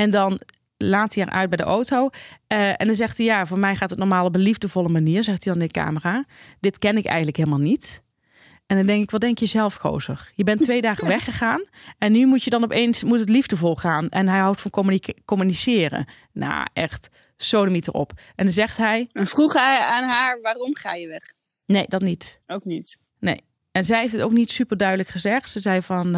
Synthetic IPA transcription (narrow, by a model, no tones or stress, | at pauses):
ɛndɑn | laːtiɛɹʔœ̰ɥd̚bɛjdə̰ʔowtow | ɛ̰ndɑnzɛxtijaːvoːɹmɛjχaːtətnɔɹmaːlˠopəlivdəvɔlˠəmaniːɹzɛxtidɑnɪndəka̰ːmərad̥ɪtkɛnɪkɛ̰jxəntləkɦeːlˠmaːlˠnit | ɛndɔndɛŋkɪkʋɑdɛŋkjəzɛlˠfko̰wzə̰rjəbɛntʋejdaːχəʋɛχəχaːnɛnːymutjədɑnɔpejnsmutətlivdəvɔlˠχaːnʔɛnɦɛjɦɑwtfɑnkkomynisɪːrə̰ | na̰ʔɛ̰xt | sownəmitərɔ̰pʔɛndɑnzɛχtɦɛjɛnfruχɛaːnɦaːɹʋaːrɔmχa̰ːjəʋɛχ | nejdɑtnitowk̚nit | nḛj | ɛnzɛjɦefdɪto̰wknitsypəɹdœɥdələkχəzɛxtsəzɛjvɑn